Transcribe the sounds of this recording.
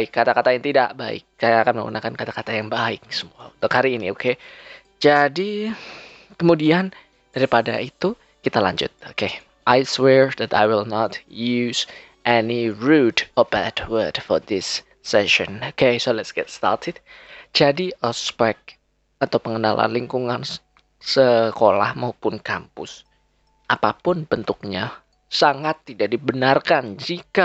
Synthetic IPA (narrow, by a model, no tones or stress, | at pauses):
aɪkːat̪akat̪ajaŋt̪idaʔbaɪ̰kːajaakanməŋɡṵnʔakankat̪akat̪ajaŋbaɪk̚səmuaut̪okaɾiiniokʰe | d͡ʒadi | kəmudian | d̥aɾipada̰it̪u | kit̪alaɲd͡ʒʊ̰t̪̚oke | ʔajswɛɹðɛt̪a̰jwɪlnɔt̪juz | ʔɛniɹutɔbɛdwəd̥fɔɾdɪsː | ɛʃɔnokesolɛt̪sɡ̥ɛt̪st̪a̰rtʰɪd̚d͡ʒadiʔɔspɛk̚ | at̪awpəŋənala̰nliŋkuŋan | səkola̰hmaupʊnkampʊ̰s | ʔapapʊnb̥ənt̪ʊk̚ɲa | saŋat̪ːidaʔdibənarkand͡ʒika